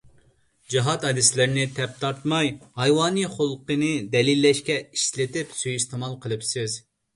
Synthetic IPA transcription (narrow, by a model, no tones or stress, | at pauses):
d͡ʒiɦɑt̪hɑd̪ɪslɪɾnɪt̪ʰɛp̚t̪ʰɑɾt̪mɑjhɑjwɑːnɨχolˠqənɨd̪ɛlilːɛʃkʲɛiʃlɪt̪ɪpsyjist̪ʰɨmɑlˠqʰəlˠɨpsɪz